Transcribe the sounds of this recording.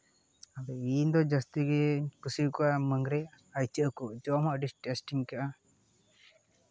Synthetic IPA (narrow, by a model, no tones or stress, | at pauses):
abɛind̪ɔd͡ʒast̪iɡɛkusikɔaməŋɡɾɛ | ajt͡ʃəʔkɔʔd͡ʒɔmɔʔɖisʈɛsʈiŋkaʔa